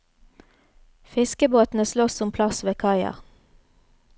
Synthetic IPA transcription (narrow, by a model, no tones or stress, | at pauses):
fɪskəboːt̪n̩əslɔssɔmpʰlɑsʋeːkʰɑɪɑ̰ʁ